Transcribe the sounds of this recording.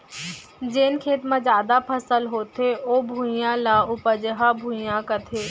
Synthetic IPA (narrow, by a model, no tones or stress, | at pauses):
d͡ʒeːnkʰeːt̪mãzjaːd̪apʰəsəlɦoːt̪eoːbʱũːjãlaːʊpəd͡ʒəɦabʱuːjãkət̪ʰeː